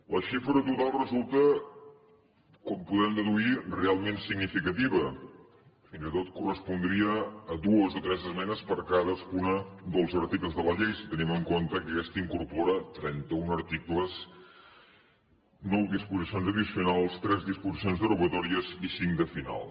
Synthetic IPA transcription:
ləʃifɾət̪ut̪alˠrəzulˠt̪ə | kɔmpuðɛmd̪əðuirealˠmensiɡnifikət̪iβə | finzit̪ot̪kurəspund̪ɾiəːðuəzot̪ɾɛzəzmɛnəspəɾkaðəskunəd̪əlˠzəɾt̪ikləzðələʎejsi̥t̪əniməŋkont̪əkəkɛst̪əiŋkuɾpoɾət̪ɾɛnt̪əunəɾt̪ikləs | nɔwd̪ispuzisionzəðisiunalˠst̪ɾɛzðispuzisijonzðəruɣət̪ɔɾiəzisiŋd̪əfina̰lˠ

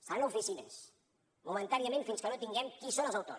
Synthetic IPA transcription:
sanufisinəs | mumənt̪aniəmẽnfinskənot̪iŋɡɛmkisonəlˠzəwt̪o̰

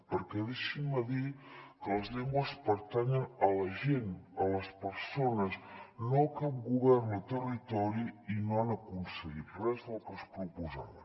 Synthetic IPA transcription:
pəɾkɛðeʃiməðikələzʎɛŋɡwəspəɾt̪aɲənələʒenələspəɾsonəznokap̚ɡuβɛrnət̪ərit̪ɔɾiinoanəkunsəɣit̪rɛzðəlˠkəspɾupuza̰βə

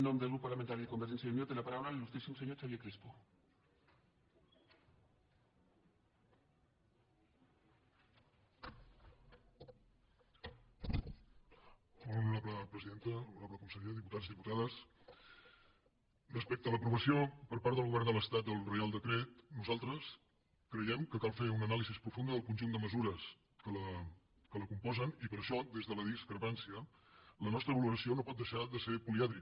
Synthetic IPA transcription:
nːõmdelɣɾupːaɾlament̪aɾjiðekombeɾʒensjaunjot̪elapaɾawlalelust̪ɾisomseɲot͡ʃaβjekɾispo | onuaβləpɾəziðent̪əuaβləkumisəɾiəðiput̪ad̪ziðiput̪aðəs | rəspɛk̚t̪ələpɾuβəsiopəɾpaɾt̪ðəlˠɣuβɛrnd̪ələst̪at̪̚d̪əlˠrealˠd̪əkɾet̪nuzalˠt̪ɾəs | kɾəjɛmkəkalˠfeunənalizispɾufund̪əðəlˠkunʲʒund̪əməzuɾəs | kələ | kələkumpɔzənipəɾʃɔd̪ezðələðiskɾəpansiə | lənɔst̪ɾəβəluɾəsionopɔt̪̚d̪əʃaðəseɾpuliaðɾi

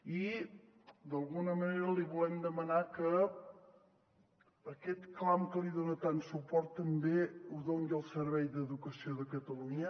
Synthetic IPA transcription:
i | d̪əlˠɣunəməneɾəliβulɛmd̪əmənakə | kɛt̪klamkəliðonət̪ansupɔɾt̪ːəmbeuðoŋɡiəlˠsəɾβɛjd̪əðukəsioðəkət̪əluɲə

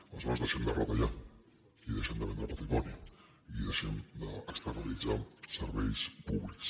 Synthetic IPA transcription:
aləzɔɾəzðəʃɛmd̪ərɔt̪əʎa | iðəʃɛmd̪əβɛnd̪ɾəpat̪ɾimɔniə | iðəʃɛmd̪əːkst̪ərnalid͡zasəɾβɛjspuβliks

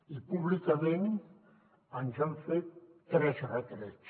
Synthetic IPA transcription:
ipuβlikamen | ənzamfet̪ːɾɛsrət̪ɾɛt͡ʃ

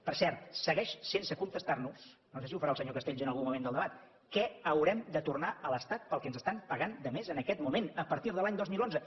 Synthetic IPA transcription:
pəɾsɛɾt̪səɣɛʃsensəkunt̪əst̪arnusnosesiufəɾalˠsəɲokəst̪eʎʒənəlˠɣumːumend̪lˠd̪əβat̪ | kɛəwɾɛmd̪ət̪urnaələst̪at̪̚pəlˠkɛnzəst̪ampəɣand̪əmezənəkɛt̪mumenəpəɾt̪iɾðəlaɲd̪ozmilˠonzə

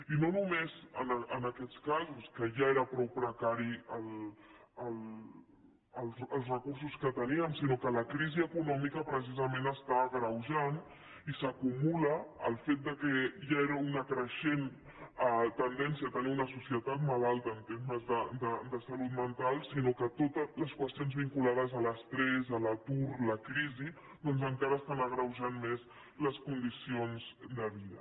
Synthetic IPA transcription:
inonumezənənəkɛt̪t͡skazuskəʒaeɾəpɾɔwpɾəkaɾiəl | əl | əlˠəlˠsrəkursuskət̪əniəmsinokələkɾiziəkunɔmikəpɾəs̬izəmẽnəst̪aəɣɾəwʒan | isəkumuləːlˠfet̪̚d̪əkɛʒaeɾəunəkɾəʃen | t̪ənd̪ɛnsiət̪əniunəsusjət̪at̪̚məðalˠt̪əːnt̪eɾməzðəd̪əd̪əsəlut̪mənt̪alˠsinokət̪ot̪ələskwəst̪ionzβiŋkulaðəzələst̪ɾɛzələt̪uɾləkɾizi | d̪ɔnzəŋkaɾəːst̪anəɣɾəwʒanmez | ləskund̪isionzd̪əβiðə̰

